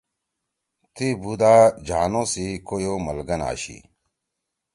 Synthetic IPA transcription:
t̪ibud̪aːd͡ʑaːnosikojomɐlɡɐna̰ːɕḭ

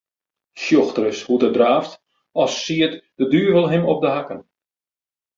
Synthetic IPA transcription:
ʃjoxtərəshutədraːft | ɔsːiətd̥ədyːvəlˠɦɪmɔp̚dəɦakən

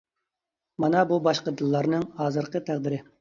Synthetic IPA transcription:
mɑnɑbubɑʃqəd̪ɨlˠːɑɾnɨŋhɑːzɨɾqət̪ʰæʁd̪ɪɾɪ

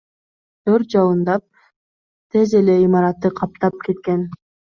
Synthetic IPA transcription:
t̪ʰøɾt̪̚d͡ʒɑlˠɯnd̪ɑp̚ | t̪ʰe̞ze̞le̞imɑɾɑt̪ːɯqʰɑp̚t̪ɑp̚ke̞t̪̚ke̞n

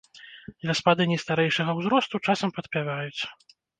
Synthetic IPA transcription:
d̪lʲɐspad̪ɨnʲɛst̪aɾɛjʂɐɣɐwzɾɔst̪ut͡ʂasɐmpɐt̪pʲavajut͡sʲ

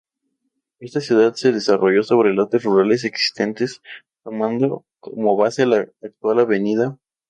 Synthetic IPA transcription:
e̞st̪asjuðaðse̞ðe̞sarʔoʝo̞so̞β̞ɾelot̪eruɾale̞s̬e̞ksi̥st̪e̞nt̪e̞s | t̪o̞mãnd̪o̞ | komoβaselaːk̚t̪walaβe̞nið̞a

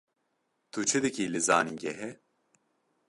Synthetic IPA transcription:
t̪ʰut͡ʃʰid̪icilizaːniɟɛɦɛ

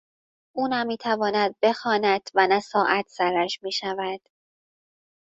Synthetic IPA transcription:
ʔuːnæmːiːt̪ʰævɒːnæd̪̚be̞xɒːnæt̪ʰvænæsɒːʔæt̪ʰsæɾæʃmiːʃævæd̪̥

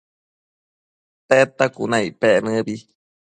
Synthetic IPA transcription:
t̪et̪akṵnãipeʔnɨ̃bi

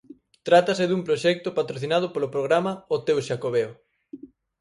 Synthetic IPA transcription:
t̪ɾat̪ɐsɪðumpɾoʃɛk̚t̪ʊpat̪ɾoθinað̞ʊpolopɾoɣɾamɐot̪ewʃakoβeo

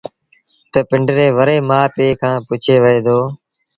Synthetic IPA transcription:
t̪əpɪɳɖɾeːʋəɾeːmaːpeːkʰãːpʊt͡ʃʰeːʋəeːd̪oː

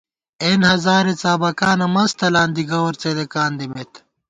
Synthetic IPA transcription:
enhɐzaːɾet͡saːbɐkaːnɐmɐst̪ʰɐlaːnd̪iɡɐwɐɾt͡sed̪ekaːnd̪imet̪

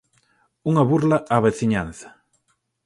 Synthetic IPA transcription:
uŋɐβuɾlaʔaβeθiɲan̟θɐ̥

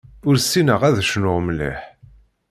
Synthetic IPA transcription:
ʊɾsːinəʁæðʃnʊʁmlḭħ

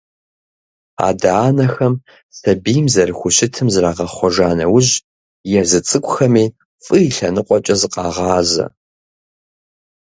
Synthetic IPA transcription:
a̰ːdaːnɐxɐm | sɐbiːjmzɐrxʷʊɕɪtʰɨmzraːʁɐχʷɔʒaːnɐwʊʑ | jɛzɨt͡sʼɨkʷʼʊxɐmiː | fʼɨiɬɐnɨqʷʼɔt͡ʃʼɐzɨqɑːʁɑːzɐ̰

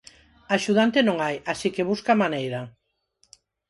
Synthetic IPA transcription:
aʃuðant̪enõŋajasikeβ̞uskamanejɾɐ

